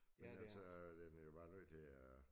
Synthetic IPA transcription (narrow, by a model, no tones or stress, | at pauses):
menæsɔd̥enæjob̥ɑ̈ːnøð̰t͡sʰe̝æ